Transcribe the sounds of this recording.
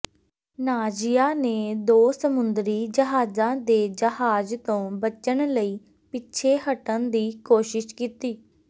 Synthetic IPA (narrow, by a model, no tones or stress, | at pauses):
naːd͡ʒɪjaːneːd̪oːsəmʊnd̪ɾiːd͡ʒəɦaːzãːd̪eːd͡ʒəɦaːzt̪õːbət͡ʃənləiː | pɪtːʃʰeːɦəʈə̃nd̪iːkoːʃɪʃkiːt̪iː